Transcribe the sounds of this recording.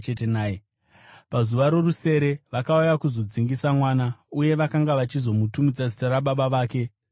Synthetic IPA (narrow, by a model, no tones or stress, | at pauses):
t͡ʃetenaːje | pazuʋaɾo̞ruse̞ɾe̞ʋakaujakuzo̞d͡ziŋɡisamwaːnauje̞ʋakaŋɡaʋat͡ʃizo̞mutumid͡zazitaɾaɓaɓaʋaːke̞